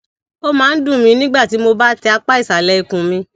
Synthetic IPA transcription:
o˦mãː˨˦n̩˦dũ˦˨mĩ˨˧nĩ˦ɡ͡ba˦˨ti˨˦mo˧ba˦tɛ˧a˧k͡pa˦i˦˨sa˨lɛ˨˦i˦˨kũ˨mĩ˧

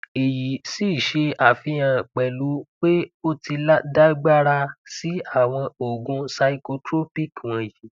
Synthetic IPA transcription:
e˨ji˨si˦˨ʃe˧a˨fĩ˧˦jã˧k͡pɛ˨lu˨˦k͡pe˦o˦ti˧la˦da˦ɡ͡ba˦ɾa˧si˨˦a˦˨w̃ɔ̃˧o˨ɡũ˧sa˧i˧ko˧tɾo˦pi˦˨kɔ̃˧ji˨˦

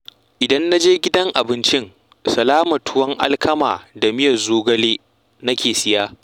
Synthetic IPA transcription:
ʔɪ˨dɐ˦nːa˦d͡ʒeː˦ɡʲɪ˦dɐ˦ŋʔa˨bɪ˦nt͡ʃɪ˦ŋ | sɐ˨laː˦mɐ˨tʊ˦wɐ˦ŋʔa̰˦lkɐ˦ma̰ː˨da˨mɪ˦jɐ˨zoː˦ɡɐ˦leː˦ | nɐ˦kʲeː˨sɪ˦jaː˦

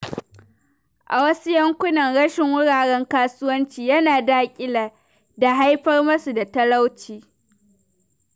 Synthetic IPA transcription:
ʔa˨wɐ˦su˦jɐ˦ŋkʷʊ˦nɐ˨nɽɐ˦ʃɪ˨ŋwʊ˦ɽaː˨ɽɛ˦ŋkaː˦sʊ˦wɐ˦nt͡ʃiː˨jɐ˦naː˨daː˦kʲʼɪ˦laː˨ | da˨ɦa˦jɸɐ˦rmɐ˦su˨da˨tɐ˦la˦wt͡ʃiː˨

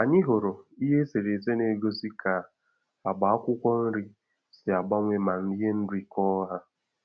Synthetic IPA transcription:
a˨ɲɪ˦ɦo˨ɾo˨i˦ɦe˦se˨ɾe˨ze˦ne˨ɡo˦si˦ka˨ | a˨ɡ͡ba˨a˦kʷʊ˦kʷɔ˦n̩˦ɾi˦ | sɪ˨a˨ɡ͡ba˦ŋʷe˦ma˨n̩˦e˦n̩˦di˦kɔ˦ɦa˦

